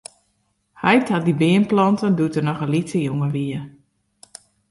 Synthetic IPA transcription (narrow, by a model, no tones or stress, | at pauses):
hɛjtat̚dibɪənplɔntəndutərnɔxəlitəjuŋəʋiə